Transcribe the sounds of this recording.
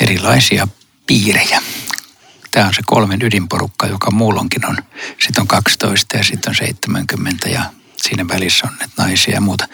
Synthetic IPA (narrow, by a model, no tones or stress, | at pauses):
erilɑisiɑ | piːrejæ | t̪æːonseko̰lmenydimporukːɑjokɑmuːlːo̰ŋkinonsit̪ːoŋkɑkst̪o̰ist̪ɑjɑsit̪ːonsḛit̪ːemæŋkymːent̪æjɑ̰ | siːnæʋælisːonnet̪nɑisiɑ̰jɑmuːt̪ɑ̥